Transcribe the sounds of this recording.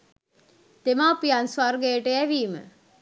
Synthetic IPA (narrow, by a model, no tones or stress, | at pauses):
t̪emaːpijanswarɡejəʈəæʋiːmə̰